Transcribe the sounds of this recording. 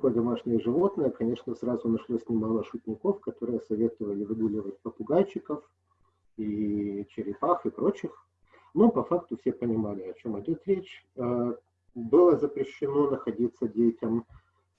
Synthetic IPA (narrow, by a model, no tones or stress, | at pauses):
kojəd̪ɐmaʂnʲɪjəʐɨvo̞t̪nəjəkɐnʲe̞ʂnəsɾazʊnɐʂlˠosʲnʲɪmalˠəʂʊtʲnʲɪko̞fkɐt̪o̞ɾɨjəsɐvʲe̞t̪ɨvəlʲɪvɨɡ̪ulʲɪvət̚ʲpəpʊɡalʲt͡ɕɪkəf | it͡ɕɪɾʲɪpaxɨpɾo̞t͡ɕɪx | no̞pɐfakt̪ʊfsʲepənʲɪmalʲɪɐt͡ɕo̞mɪdʲo̞t̪ɾʲet͡ɕə | bɨlˠəzəpɾʲɪɕːɪno̞nəxɐdʲit̪sːədʲetʲɪm